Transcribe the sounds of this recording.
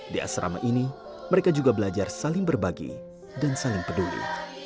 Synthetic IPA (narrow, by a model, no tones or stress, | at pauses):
dia̰sɾa̰ma̰ʔini | məɾekad͡ʒuɡabəlad͡ʒarsalɪŋbərbaɡḭ | dansalɪŋpədulḭ